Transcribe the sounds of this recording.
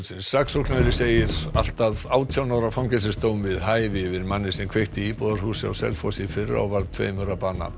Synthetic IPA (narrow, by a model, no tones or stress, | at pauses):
lsɪnsːaksɔknaðɾɪseːjɪɾ̥al̥t̪aðaːwt̪ʰjawnawɾafawŋcɛs̬ɪst̪oːwmvɪðɦaːjvɪvɪɾmanːɪ̥sɛmkʰv̥eht̪ɪipɔðaɾhuːsɪa̰wsɛ̰lfɔsifɪrːa̰ɔvaɾðt̪ʰvḛːjmœɾapaːna̰